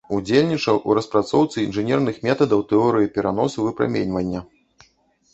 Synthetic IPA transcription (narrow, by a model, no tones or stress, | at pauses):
ud͡zʲelʲnʲit͡ʂɐwʔṵɾɐspɾat̪sɔwt̪sɨinʐɨnʲɛrn̪ɨxmʲɛt̪ɐd̪ɐwt̪ɛɔɾɨjipʲɛɾanɔsɨvɨpɾa̰mʲenʲvɐnʲːɐ